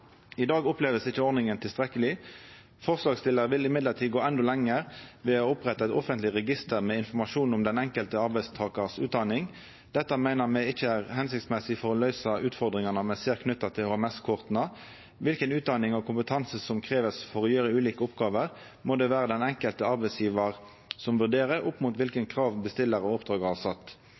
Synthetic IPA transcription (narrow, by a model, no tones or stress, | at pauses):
ɪd̪ɑːɡɔpleːʋəsɪçəɔɾnɪŋənt̪ʰɪlst̪ʁɛkːəlɪ | fɔʁslɑːɡst̪ɪlːəɾʋɪlɪmɪd̪ləʁt̪ʰiːɡoːɛnd̪ɔlɛŋəʁʋɛːɔɔpʁɛt̪ːɑɛt̪ɔfənt̪lɪʁɛɡɪst̪əɾmɛɪnfɔʁmɑʂuːnʊmd̪ɛnɛŋkəlt̪əɑɾbæɪst̪ʰɑːkəʁsʉːd̪ɑnɪŋ | d̪̥ɛt̪ːɑmæɪnəʁmɛɪçəæːʁhɛnsɪkt̪smɛsɪfɔʁɔlœʏsɑʔʉːt̪fɔʁd̪ʁɪŋɑnəmɛseːɾkʰnʉt̪ːɑt̪ʰɪlhoːɛmɛskʰʊʁt̪nɑ | ʋɪlkənʉːt̪̚d̪ɑnɪŋɔkʰʊmpət̪ʰɑnsəsɔmkʰʁeːʋəsfɔʁɔjøːɾəʉːliːkəʊpɡɑːʋəʁ | moːd̪ɛʋæːɾəd̪ɛnɛŋkəlt̪əɑɾbæɪsjiːʋɑʁ | sɔmʋʉʁɖ̪eːʁəɾʊpːmuːt̪ʋɪlkənkʰʁɑːʋbəst̪ɪlːəɾɔɔpd̪ʁɑːɡəhɑsɑt̪ː